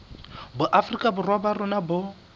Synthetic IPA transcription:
bʊʔafrikʼabʊrwabarʊnabʊ

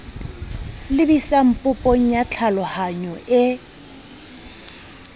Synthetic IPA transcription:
lɪbisam̩pʼʊpʼɔŋ̩jat͡ɬʰalɔhaɲɔɪ

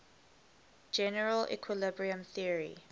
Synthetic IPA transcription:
d͡ʒɛnəɹəlʔɛ̰kʰwɪlɪbɹiə̃mθiəɹḭ

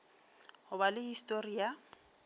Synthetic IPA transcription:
hʊbalɪhistʼoria

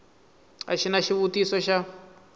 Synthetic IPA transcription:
a̰ʃinaʃiβutisɔʃa

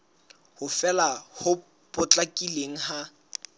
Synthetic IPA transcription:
hʊfɛlahʊ | pʼʊt͡ɬʼakʼileŋ̩ha

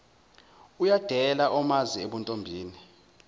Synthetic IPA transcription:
ujad̥ʱɛlaʔɔmazieɓuntʼombʱiːni

